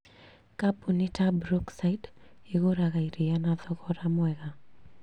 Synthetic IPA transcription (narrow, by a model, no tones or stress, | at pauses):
kabunitabɾoksajdɪɣoɾaɣaiɾianaðɔɣɔɾamwɛɣa